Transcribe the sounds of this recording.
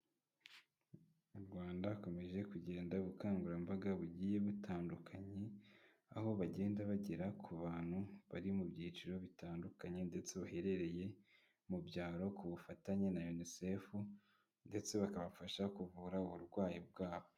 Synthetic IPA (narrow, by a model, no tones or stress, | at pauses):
muɾɡwaːndako̞me̞ʒe̞kuɟe̞ːndaβukaːŋɡuɾambaɡaβuɟiːje̞βutʰaːndukʰaɲe̞ | aho̞βaɟe̞ːndaβaɟeɾakʰuβaːn̥huβaɾimubjiːt͡ʃiɾo̞βitaːndukaɲe̞nde̞t͡se̞βahe̞ɾe̞ɾe̞je̞ | mubɟaːɾo̞kuβufataɲenajonisefu | nde̞t͡se̞βakaβafaʃakuvuːɾauβuɾɡwaːjibɡaːβo̞